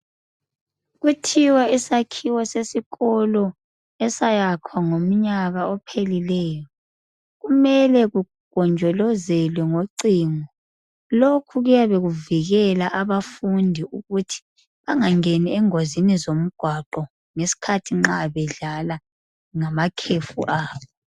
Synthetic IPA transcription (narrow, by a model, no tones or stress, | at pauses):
ɣutʰiwaisakʰiwɛsesiɣɔlɔ | ɛsajakʰwaŋom̩ɲaɣaɔpʰelilɛːjɔ | ɣumɛlɛɣu | ɡ̥ʱɔnd͡ʒʱɔlɔzɛlwɛŋoǀiːŋɔ | lokʰuɣujaβeɣuviɣɛlaʔaβafundʱiuɣutʰi̥ | βaŋaŋeniɛŋozinizom̩ɡ̥ʱwaǃɔ | ŋesi̥kʰatʰiŋ͡ǁaβɛɮala | ŋamakʰefṵʔaːβɔ